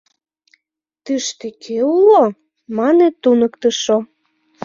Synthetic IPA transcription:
t̪ɨʃt̪ekʰeulo | mɑnet̪ːunəkt̪ə̆ʃo

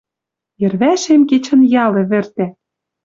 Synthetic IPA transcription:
jɘ̆rβæʃemket͡ɕə̆njɑlĕβɘ̆rt̪æ

